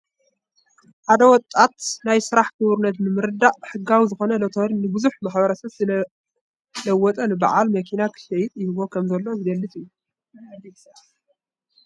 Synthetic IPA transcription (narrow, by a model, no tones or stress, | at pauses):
ħad̪ɐwɔt̪ʼːat̪najsɨɾaħkʰɨβɨɾnɐt̪nɨmɨɾɨd̪aʔħɨɡːawizɨxo̞nɐlot̪ʰoɾinɨbɨzuħmaħbɐɾɐsɐβzɨ | lɐwːɔt̪ʼɐnɨba̰ʕalmɐkʰinakʰɨ̥ʃɐjɪt̪ʼjɪhɨβo̞kʰɐmzɐlːo̞zɨɡ̪ɐlːɨt̪ʼɨjːu